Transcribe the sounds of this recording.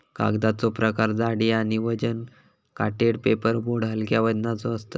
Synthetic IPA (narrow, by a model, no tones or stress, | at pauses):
ka̰ɡd̪at͡sɔpɾəkaɾd͡z̪aɽiaɽ̃iʋəd͡ʑən | kaʈeɽpepəɾboɽ̤əlkjaʋəd̪nat͡sɔəst̪ə